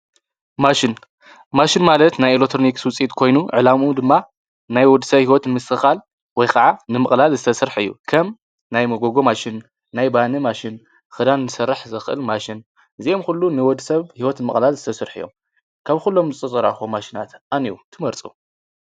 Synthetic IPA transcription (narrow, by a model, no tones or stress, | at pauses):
maʃɪn | maʃinmalɐt̪najelokt̪ʰɾonikswʊt͡sʼit̪kʰo̞jnuʕɨlamud̪ɨmːa | najwɔd̪sɐβhiwɔt̪nmɨsɨxal | wɔjkʰɐʕanɨmɨχʼlalzɨt̪ʰɐsɨɾħɨjːṵkʰɐm | najmɐɡoɡo̞maʃɪnː | ajbanɨmaʃɪn | xɨd̪anːɨsɐrːɨħzɨxʔɨlmaʃɪn | ʔɨziomxulːunɨwɔd̪sɐβhiwɔt̪nmɨχʼlalzɨt̪ʰɐsɨɾħɨ̰jːo̞̰m | kʰaβxulːo̞mzɨt͡sʼɨt͡sʼɐɾa̰xomaʃinat̪ʔaniut̪ʰɨmɐɾt͡sʼṵ